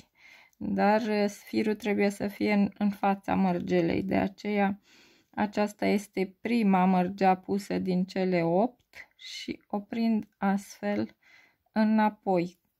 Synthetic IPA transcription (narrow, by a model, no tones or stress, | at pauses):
d̪arsfiɾut̪ɾe̞buje̞səfije̞ɨnfat̪sa̰mərd͡ʒelḛjd̪e̞̰a̰t͡ʃe̞ja | a̰t͡ʃast̪aje̞st̪e̞pɾimamərd͡ʒeapusəd̪int͡ʃe̞le̞o̞p̚t̪ʃḭo̞pɾind̪ast̪fe̞l | ɨnapo̞j